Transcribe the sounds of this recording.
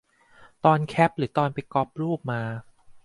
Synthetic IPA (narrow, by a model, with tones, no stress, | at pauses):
t̪ɔː˧nkʰɛ˦˥p̚ɾɯː˩˦t̪ɔː˧npa˧jkɔ˦˥p̚ɾuː˥˩p̚maː˧